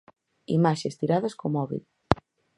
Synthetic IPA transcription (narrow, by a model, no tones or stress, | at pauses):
ḭmaʃest̪iɾaðeskomɔβḭt̪